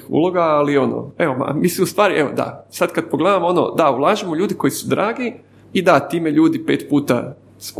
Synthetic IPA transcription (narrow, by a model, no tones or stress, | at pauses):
ṵlˠo̞ɡaːlio̞no̰eoma̰misiust̪ʋaːɾiʔeod̪a̰sad̪kad̪̚poɡled̪amo̞no̰d̪aulˠaːʒimoʎuːd̪ikojisud̪ɾaːɡi | id̪at̪iːmeʎuːd̪ipe̞̰ːt̪puːt̪a̰ | s